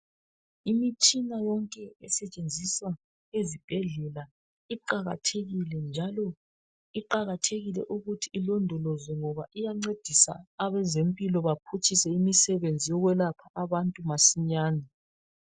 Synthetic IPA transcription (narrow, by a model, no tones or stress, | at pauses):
imit͡ʃʼinajɔŋkʼɛɛsɛt͡ʃʼend͡zʱiswa | ezib̥ʱɛɮɛla | iǃaɣa̰tʰeɣilɛnd͡ʒʱalɔ | iǃaɣatʰeɣilɛ̰ʔuɣutʰiːlondʱɔlɔzɛŋɔβaʔijaŋ͡ǀed̥ʱisa̰ːβɛzempʼilɔβapʰut͡ʃʰʼisɛimisɛβend͡zʱijɔɣwɛlapʰaʔaβantʼumasiɲaːna